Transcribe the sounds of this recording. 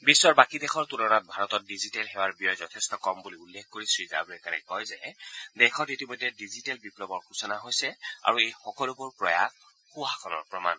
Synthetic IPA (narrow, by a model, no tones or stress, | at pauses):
bisːɔɹbakidɛxʰɔɹtunɔnat̚bʱaɹɔtɔt̚dizitɛlɦɛwaɹbiɔjzɔtʰɛstɔkɔmbuliulːekkoɹisɹiza̰bɹɛkanɛ̰kɔjzɛdɛxʰɔtitimɔjdʱːɛdizitɛlbiplɔbɔɹkʰusɔnaɦojsɛa̰ɹuejxɔkɔlubuɹpɹɔ̰jaɡ | xuɦakʰɔnɔ̰ɹpɹɔma̰n